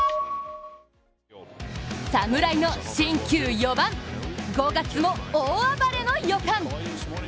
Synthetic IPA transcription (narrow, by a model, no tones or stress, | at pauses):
samɯ̟ɾaino̞ɕĩŋkʲɨːjobãŋɡo̞ɡat͡sɨmo̞oːabaɾe̞no̞jokãŋ